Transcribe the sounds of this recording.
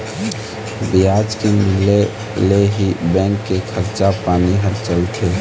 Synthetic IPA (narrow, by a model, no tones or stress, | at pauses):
bɪjaːd͡ʒkemɪle | leɦibɛ̃ːŋkːekʰəɾt͡ʃapaːniɦəɾt͡ʃəlt̪ʰe